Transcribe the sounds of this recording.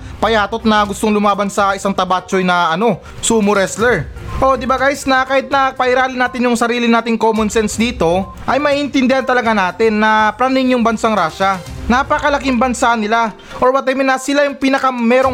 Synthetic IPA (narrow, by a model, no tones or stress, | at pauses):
pɐjaːt̪ot̪̚nɐɡʊst̪oŋlʊmaːbɐnsaɐɪsaŋt̪ɐbaːt͡ʃojnɐʔɐno̞ | suːmʊɾɛslɛɹʔo̞d̪ɪbaɡaːjɪsnɐkaːhɪt̪̚nɐpɐʔɪɾaːlɪnaːt̪ɪnjʊŋsɐɾiːlɪnaːt̪ɪŋkoːmʊnsɛnsd̪iːt̪o̞ | ʔɐjmɐʔiːʔɪnt̪ɪnd̪ɪhant̪ɐlɐɡanaːt̪ɪnːɐpɾanɪŋjʊŋbɐnsaŋɾaːʃɐnapɐkɐlɐkɪmbɐnsanɪla | ʔoɹbɐt̪ɛmɪnɐsɪlajʊŋpinɐkɐmɛːɾo̞ŋ